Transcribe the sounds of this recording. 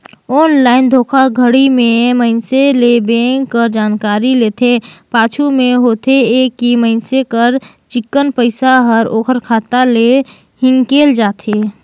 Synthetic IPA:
ɔːnlaːɪnd̪ʱoːkʰaɡʱəɽimẽməɪnselebẽːŋɡkːəɾd͡ʒaːnkaːɾileːt̪ʰepaːt͡ʃʰumẽɦoːt̪ʰeeːkːiməɪnsekəɾ | t͡ʃɪkːənpəɪsaɦəɾoːkʰəɾkʰaːt̪ale | hɪ̃ŋkeːld͡ʒaːt̪ʰeː

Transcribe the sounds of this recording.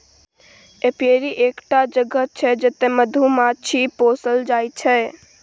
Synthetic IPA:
epeɾiʔekʈad͡ʒəɡət̪̚t͡ʃʰɛd͡ʒet̪eməd̪ʱumat͡ʃʰiposəld͡ʒajt͡ʃʰɛ

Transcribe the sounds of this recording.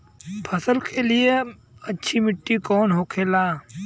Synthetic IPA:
pʰəsəlkʰelie | ɐtːʃʰimɪʈːikɔːnɦoːkʰeːlaː

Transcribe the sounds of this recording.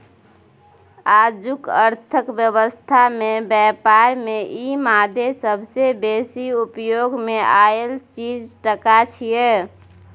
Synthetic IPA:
aːd͡ʒʊkə̰ɾt̪ʰəkbjəwəst̪ʰamẽbjɛːpaːɾmẽʔimaːd̪ʱesəbʱsebeːsiupjoɡmẽaːelt͡ʃiːd͡ʒʈəkat͡ʃʰije

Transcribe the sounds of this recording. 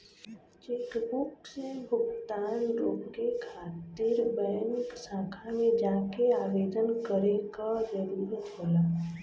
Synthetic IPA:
t͡ʃekbʊksebʱʊɡt̪aːnɾoːekʰaːt̪ɪɾbəjənksãːkʰamẽd͡ʒaːkeaːbeːd̪ənkəɾekad͡ʒəɾuːɾt̪ʰoːlaː

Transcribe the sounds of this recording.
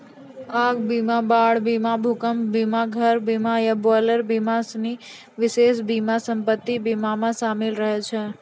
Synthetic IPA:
akbimabaɭbimabʱukəmbimaɡʱəɾbimaebɔləɾbimasni | ʋɪʃeʃbimasəmpət̪ːibimamãsamelɾəɦet͡ʃʰe

